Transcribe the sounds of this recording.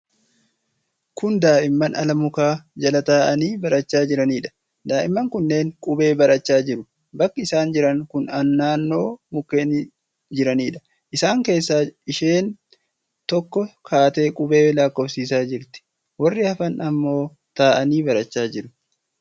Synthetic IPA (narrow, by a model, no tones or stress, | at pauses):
kʊnd̪aːʔɪmːɐnɐlɐmʊkaːd͡ʒɐlɐt̪aːʔɐniːbɐɾɐt͡ʃːaːd͡ʒɪɾɐniːᶑɐ̥ | d̪aːʔɪmːɐŋkʊnːe̞ːŋkʼʊbe̞ːbɐɾɐt͡ʃːaːd͡ʒɪɾʊ | bɐkːɐɪsaːnd͡ʒɪɾɐŋkʊnɐnːaːnːo̞ːmʊkːeːn | d͡ʒɪɾɐniːᶑɐ̥ | ʔɪsaːŋke̞ːsːaːɪʃe̞ːn | t̪ɔkːɔkʰaːt̪e̞ːkʼʊbe̞ːlaːkːɔfsiːsaːd͡ʒɪɾt̪ɪ̥ | wɐrːɪɐfɐnɐmːo̞ː | t̪aːʔɐniːbɐɾɐt͡ʃːaːd͡ʒɪɾʊ